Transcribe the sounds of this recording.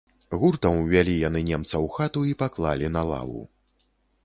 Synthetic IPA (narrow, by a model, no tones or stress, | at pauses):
ɣurt̪ɐmwvʲalʲijan̪ɨnʲɛmt̪sɐwxat̪uipaklˠalʲinalˠa̰vṵ